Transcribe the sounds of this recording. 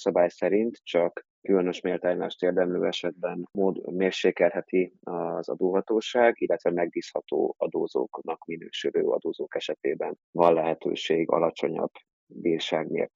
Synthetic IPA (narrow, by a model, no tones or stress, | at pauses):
sɒbaːjsɛɾint̪t͡ʃɒk | kylønø̞ʃmeːlt̪aːjma̰ːʃt̪eːrd̪ɛmlø̰ːɛʃɛd̪̚bɛnmoːd̪meːrʃeːkɛlɦɛt̪iɒzɒ̰d̪oːɦɒt̪oːʃaːɡilːɛt̪ʋɛmɛɡ̚biːshɒt̪o̰ːɒd̪oːzo̰ːknɒkminøːʃøɾø̰ːɒ̰d̪oːzoːkɛʃɛt̪eːbɛnvɒnlɛɦɛt̪ø̰ːʃeːɡɒ̰lɒt͡ʃo̞ɲɒ̰bː | viːrʃaːɡnḛːl